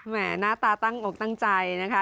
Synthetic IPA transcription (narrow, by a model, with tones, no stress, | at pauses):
mɛː˧˩˦naː˦˥˩t̪aː˧t̪a˥˩ŋʔo˨˩k̚t̪a˥˩ŋt͡ɕa˧jna˦˥kʰa˦˥